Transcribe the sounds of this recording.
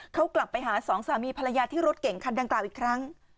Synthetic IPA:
kʰa˦˥wkla˨˩pːa˧jɦaː˩˦sɔː˩˦ŋsaː˩˦miː˧pʰa˧ɾa˧jaː˧t̪ʰiː˥˩ɾo˦˥t̪̚ke˨˩˦ŋkʰa˧nda˧ŋklaː˨˩wʔiː˨˩kʰɾa˦˥ŋ

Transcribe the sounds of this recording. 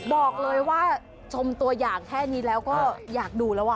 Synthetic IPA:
bɔː˨˩k̚lɤː˧jwaː˥˩ | t͡ɕʰo˧mt̪u˧ɐjaː˨˩ŋkʰɛː˥˩ni˦˥lɛː˦˥wkɔː˥˩jaː˨˩k̚duː˧lɛː˦˥wʔa˧˩

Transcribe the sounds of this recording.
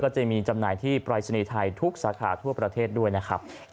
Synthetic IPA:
kɔː˥˩t͡ɕa˧˩miː˧t͡ɕa˧mnaː˧jt̪ʰiː˥˩pɾaː˧jsa˧niː˧t̪ʰa˧jt̪ʰu˦˥k̚saː˩˦kʰaː˩˦t̪ʰu˥˩pɾa˧t̪ʰeː˥˩t̪̚du˥˩əjna˦˥kʰɾa̰˦˥p̚

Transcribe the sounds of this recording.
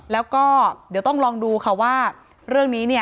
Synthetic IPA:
lɛː˦˥wkɔː˥˩di˩˦əwt̪ɔ˥˩ŋɾɔː˧ŋduː˧kʰa˥˩waː˥˩ | ɾɯ˥˩əŋniː˦˥ni˥˩ə

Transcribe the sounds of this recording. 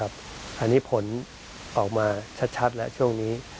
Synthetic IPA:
a˦˥p̚ | ʔa˧nːiː˦˥pʰo˩˦n | ʔɔː˨˩k̚maː˧t͡ɕʰa˦˥t̪̚t͡ɕʰa˦˥t̪̚lɛ̰˦˥ʔt͡ɕʰu˥˩əŋniː˦˥

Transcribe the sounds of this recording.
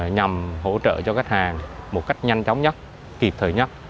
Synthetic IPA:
ɲa˨˩mɦo̰˧˥t͡ɕə̰ː˧˨t͡ɕɔ˧kaː˦˥jk̚haː˨˩ŋmo˨˩t̚ka˦˥jk̟̚ɲa˧jŋt͡ɕɔ˨˦wŋ͡mɲə˦˥t̚ | ki˨˩p̚t̪ʰəː˨˩jɲə˦˥t̚

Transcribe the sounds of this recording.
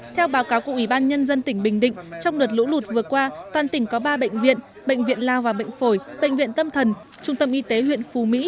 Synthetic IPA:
t̪ʰɛ˧wɓaː˨˦wkaː˨˦wku˧˩əʔwi˧˩ɓaː˧nɲə˧nzə˧nt̪ï˧˩ŋ̟ɓï˨˩ŋ̟ɗḭ̈˧˨ŋ̟t͡ɕɔ˧wŋ͡mɗə˨˩t̚lṵ˧˥lu˨˩t̚vɨ˨˩əkwaː˧t̪waː˨˩nt̪ï˧˩ŋ̟kɔ˨˦ɓaː˧ɓə̰˧˨ŋ̟vḭ˧˨ən | ɓə̰˧˨jŋ̟vḭ˧˨ənlaː˧˩wvaː˨˩ɓə̰˧˨jŋ̟fo˧˩jɓə̰˧˨jŋ̟vḭ˧˨ənt̪ə˧mt̪ʰə˨˩n | t͡ɕʊ˧ŋ͡mt̪ə˧mʔi˧˦t̪e˨˦ɦwḭ˧˨ənfu˨˦mḭ˧˥

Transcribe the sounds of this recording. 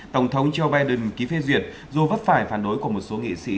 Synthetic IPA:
t̪ə˧˩wŋ͡mt̪ʰə˨˦wŋ͡mt͡ɕə˧wɓaː˧jɗɨ˨˩nki˨˦fe˧zwḭ˨˩ət̚ | zo˨˧˩və˦˥t̚faː˧˩jfaː˧˩nɗo˨˦jku˧˩əmo˨˩t̚so˨˦ŋḭ˧˨sḭ˧˥

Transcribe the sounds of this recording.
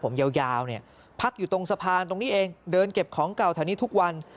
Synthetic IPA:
pʰo˩˦mja˧wjaː˧wni˥˩ɐ | pʰa˦˥k̚juː˨˩t̪o˧ŋsa˧pʰaː˧nt̪o˧ŋniː˦˥ʔeː˧ŋdɤː˧nke˨˩p̚kʰɔː˩˦ŋka˨˩wt̪ʰa˧˩˧niː˦˥t̪ʰu˦˥k̚wa˧n

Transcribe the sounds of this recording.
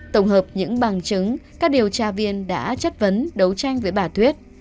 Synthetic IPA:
t̪ə˧˩wŋ͡mɦəː˨˩p̚ɲɨ̰˧˥ŋɓa˨˩ŋt͡ɕɨ˨˦ŋkaː˦˥k̚ɗi˨˩əwt͡ɕaː˧vi˧ənɗa̰ː˧˥t͡ɕə˦˥t̚və˨˦nɗə˨˦wt͡ɕa˧jŋ̟vəː˨˦jɓaː˧˩t̪ʰwi˦˥ət̚

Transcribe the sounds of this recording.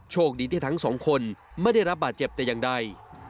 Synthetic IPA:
t͡ɕʰoː˥˩k̚diː˧t̪ʰi˥˩t̪ʰa˦˥ŋsɔː˩˦ŋkʰo˧nma˥˩jda˥˩jɾa˦˥p̚baː˨˩t̪̚t͡ɕe˨˩p̚t̪ɛː˨˩jaː˨˩ŋda˧˩j

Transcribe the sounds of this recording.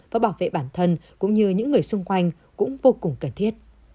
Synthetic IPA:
vaː˨˩ɓaː˧˩wvḛ˧˨ɓaː˧˩nt̪ʰə˧nkʊ̰˧˥ŋ͡mɲɨ˧ɲɨ̰˧˥ŋːɨ˨˩əjsʊ˧ŋ͡mkwa˧jŋ̟ | kʊ̰˧˥ŋ͡mvo˧kʊ˨˩ŋ͡mkə˨˩nt̪ʰi˦˥ət̚

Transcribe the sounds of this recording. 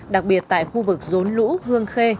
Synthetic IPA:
ɗa˨˩k̚ɓi˨˩ət̚t̪a̰ː˧˨jxu˧vɨ˨˩k̚zo˨˦nlṵ˧˥hɨ˧əŋxe˧

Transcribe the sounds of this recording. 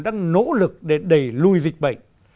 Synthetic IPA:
ɗaː˧ŋno̰˧˥lɨ˨˩k̚ɗe˧˩ɗə˧˩jlu˧jzi˨˩k̟̚ɓə̰˧˨jŋ

